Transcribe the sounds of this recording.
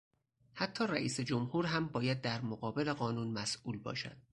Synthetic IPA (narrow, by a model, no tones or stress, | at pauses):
hæt̪ʰːɒːɾæʔiːse̞d͡ʒomhuːɾɦæmbɒːjæd̪̚ːæɾmoɣɒːbe̞le̞ɣɒːnuːnmæsʔuːlbɒ̰ːʃæ̰d̪̥̚